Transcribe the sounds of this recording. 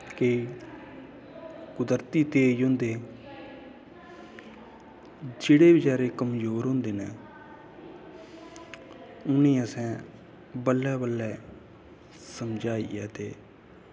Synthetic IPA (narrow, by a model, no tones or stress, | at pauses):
ke | kʊd̪əɾt̪iːt̪eːiːɦõːnd̪eː | d͡ʒeːɽeːbɪd͡ʒaːɾeːkəmd͡ʒoːɾɦõːnd̪eːnɛː | ʊnẽːəsɛ̃ː | bəlːɛːbəlːɛː | səmd͡ʒaːḭːɛ̰ːt̪eː